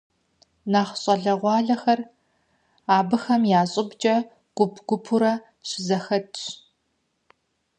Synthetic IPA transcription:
naːχɕʼɐɮɐʁʷɑːɮɐxɐr | aːbɨxɐmjaːɕʼɪbd͡ʒʼɐ | ɡ̥ʷʊpʰɡ̥ʷʊpʰuɾɐ | ɕʰɪzɐxɐdɕ

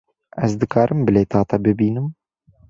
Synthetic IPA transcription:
æzd̪ɨkʰɑːɾʔɨmbɨleːt̪ʰɑːt̪ɑbɨbiːnɨm

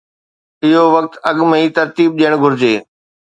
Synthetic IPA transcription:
ɪɦoʋɐk̚t̪ɐɠmiːt̪ɐɾt̪iːb̚ɗijəɽ̃ɡʱʊɾɪd͡ʑeː

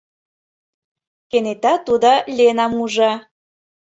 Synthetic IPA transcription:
kenet̪ɑt̪ud̪olʲenɑmuʒɑ

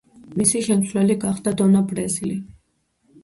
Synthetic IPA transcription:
misiʃɛmtsʰwlɛliɡaχd̪ad̪ɔnabɾɛzili

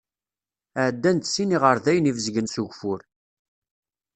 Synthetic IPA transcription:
əʕd̪ːænt̪siniʁəɾðæjənivəzɡənsuʝfʊɾ

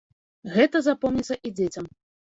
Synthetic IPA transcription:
ɣɛt̪ɐzapɔwnʲit̪sːɐʔid͡zʲet͡sʲɐm

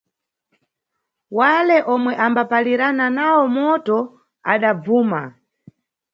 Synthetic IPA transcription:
walɛʔɔmwɛʔambapaliɾananawɔmɔtɔ | a̰ɗab͡vuːma

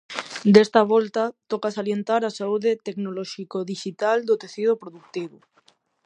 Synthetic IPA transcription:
d̪est̪aβ̞olt̪at̪okasaljent̪aɾasauðet̪eknoloʃikoðiʃit̪ald̪ot̪eθið̞opɾoðuk̚t̪iβo

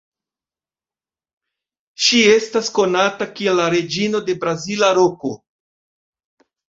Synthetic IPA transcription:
ʃie̞stasko̞natakie̞lːaɾe̞d͡ʒino̞de̞bɾazilaɾo̞ko

